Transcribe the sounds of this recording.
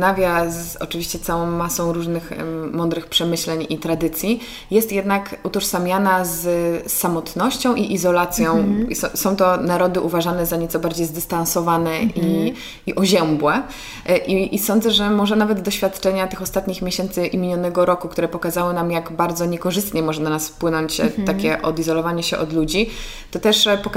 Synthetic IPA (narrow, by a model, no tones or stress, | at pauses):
navʲjazɔ̰t͡ʂɨvʲiɕt͡ɕɛt̪sawɔ̃w̃masɔ̃w̃ɾuʐnɘxmɔnd̪ɾɘxpʂɛmɘɕlɛɲit̪ɾad̪ɘt̪sʲji | jɛst̪jɛd̪nakut̪ɔʂsamʲjanazsːamɔt̪nɔɕt͡ɕɔ̃w̃ʔiʔizɔlat̪sʲjɔ̃w̃sɔsɔ̃w̃t̪ɔnaɾɔd̪ɘʔuvaʐanɛzaɲɛt̪sɔbaɾd͡ʑejzd̪ɘst̪ãnsɔvanɛi | iʔɔʑɛmbwɛ | ʔiisɔ̃nd̪zɛʐɛmɔʐɛnavɛd̪d̪ɔɕfʲjat̪t͡ʂɛɲat̪ɘxɔst̪at̪ɲixmʲjeɕɛnt̪sɘʔimʲiɲɔnɛɡɔɾɔkuk̚t̪uɾɛpɔkazawɘnamjaɡbaɾd̪zɔɲɛkɔʐɘst̪ɲɛmɔʐɛnanasfpwɘnɔɲt͡ɕt̪akʲɛʔɔd̪izɔlɔvaɲɛɕɛʔɔd̪lud͡ʑi | t̪ɔt̪ɛʂpɔk